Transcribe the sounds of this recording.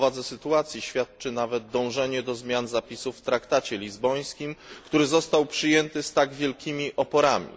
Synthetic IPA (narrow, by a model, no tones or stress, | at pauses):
vad̪zɛsɘt̪uat̪sʲjiɕfʲjat̪̚t͡ʂɘnavɛd̪̚d̪ɔ̃w̃ʐɛɲɛd̪ɔzmʲjanzapʲisufːt̪ɾakt̪at͡ɕɛlʲizbɔj̃skʲimkt̪uɾɘzɔst̪awpʂɘjɛnt̪ɘst̪aɡvʲjɛlkʲʰimʲiʔɔpɔɾamʲḭ